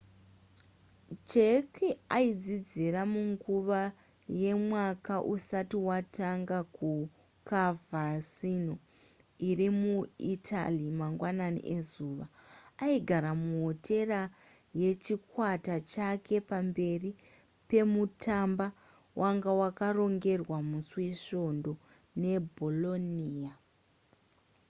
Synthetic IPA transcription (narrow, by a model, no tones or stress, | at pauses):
t͡ʃekiaid͡zid͡ziramuŋɡuʋa | je̞mwakaʔusatiwataŋɡaku | kavʱasino | irimuitʰa̰limaŋɡwananḭʔezuːʋaaiɡʱaɾamuɦotʰe̞ra | jet͡ʃikwatat͡ʃakʰe̞pambe̞ri | pe̞mutamba | wʔaŋɡawakaro̞ŋɡe̞rwamuswe̞ʃo̞ndo̞ | ne̞bʱolo̞niːa